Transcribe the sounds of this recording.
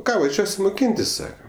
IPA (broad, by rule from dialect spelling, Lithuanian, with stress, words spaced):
ˈkɑː ʋɐˈʒʲuɔsʲɪ moːˈkʲiːnʲtʲɪs ˈsɑːkɐ